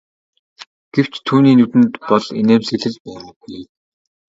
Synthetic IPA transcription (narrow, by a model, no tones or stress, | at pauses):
ɡ̥ew̥t͡ɕt̪ʰːuːniːnut̪ɘ̆nt̪pɔɮeneːmseɮɘ̆ɮpæːɾə̆ɡuj